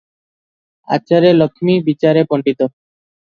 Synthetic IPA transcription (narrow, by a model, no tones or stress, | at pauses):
a̰t͡ɕaɾelokʰːmibit͡ɕaɾepoɳɖit̪o